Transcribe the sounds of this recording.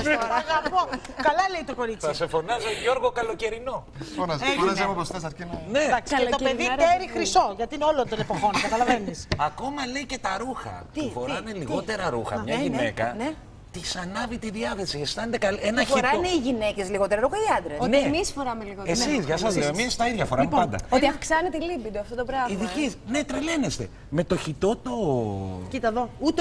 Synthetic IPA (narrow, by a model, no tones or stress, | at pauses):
ɐɣɐpokɐlɐleit̪o̞ko̞ɾit͡sɐsefonɐzeʝo̞ɾɣokɐlo̞ceɾino̞ | foɐpost̪esɾeneɐkst̪opeðiɾeɾixɾiso̞ʝɐt̪iineo̞lond̪onepoxo̞nkɐt̪ɐlɐvenisɐko̞mɐle̞ice̞t̪ɐɾuxɐ̰p̪ufo̞ɾɐneliɣo̞t̪e̞ɾɐɾuxɐ̰mɲɐine̞kɐn | t̪isɐnɐvit̪iðiɐθesiest̪ɐnet̪ekɐlenɐçoiɾɐneiʝine̞ce̞zliɣo̞t̪eɾɐɾuxɐiɐnd̪ɾesnemisfoɾɐmeliɣoesizʝɐs̬ɐzleomiɐst̪ɐiðʝɐfo̞ɾɐmuppɐnd̪ɐ̰ot̪iɐfksɐnet̪elibid̪oɐft̪ot̪obɾɐviðikisne̞t̪ɾele̞nest̪e̞̰ | me̞t̪o̞çit̪o̞t̪o̞cit̪ɐðout̪